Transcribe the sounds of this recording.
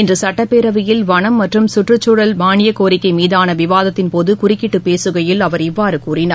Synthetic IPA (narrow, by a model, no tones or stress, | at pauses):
ɪndrɯsɐʈːɐpːeːɾɐʋɪjɪlʋɐɳɐmːɐʈrɯmsʊʈrɯt͡ʃːʊɽɐlmaːɳɪjɐkoːɾɪkːɐɪmiːðaːnɐʋɪʋaːðɐt̪ːɪnpoːðɯkʊrɪkːɪʈːɯpeːsɯɣɐjɪlɐʋɐɾɪʋːaːɾɯkuːrɪnɐ